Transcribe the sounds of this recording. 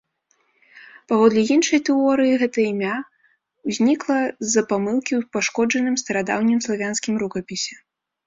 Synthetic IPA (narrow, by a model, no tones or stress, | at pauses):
pavɔd̪lʲijinʂɐjt̪ɛɔɾɨjiɣɛt̪ɐimʲa | wzʲnʲiklˠɐzɐpamɨlˠkʲiwpaʂkɔd͡ʐɐnɨmst̪ɐɾad̪a̰wnʲimslˠavʲanskʲimɾukɐpʲisʲɛ̥